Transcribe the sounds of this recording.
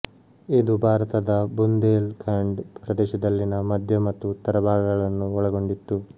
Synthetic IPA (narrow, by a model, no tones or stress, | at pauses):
ed̪ubʱaːɾɐt̪ɐd̪ɐbund̪eːlkʰaːɳɖpɾɐd̪ɛːʃɐd̪ɐlːinɐmɐd̪ʱjɐmɐt̪ːut̪ɐɾɐbʱaːɡɐɡɐɭɐnːuɔɭɐɡo̞ɳɖit̪ːu